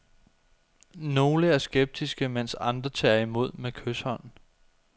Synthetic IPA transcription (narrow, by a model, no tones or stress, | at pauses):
no̝ːləæɐsɡ̥eb̥̚d̥isɡ̥əmen̰sɑ̈nd̥ʁɐt͡sʰɑ̰̈ːɐimo̝ð̞̰ˠmekʰøshɒ̽n̰